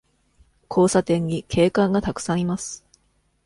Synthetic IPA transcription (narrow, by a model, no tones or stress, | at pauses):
kʰo̞ːsat̪ẽ̞ɲ̟ːikʰe̞ːkãŋɡat̪akɯ̥sãɰ̃imasɨ̥